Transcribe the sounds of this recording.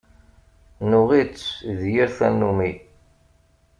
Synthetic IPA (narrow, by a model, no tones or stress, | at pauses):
nʊʁit͡sːðjiɾθænːumi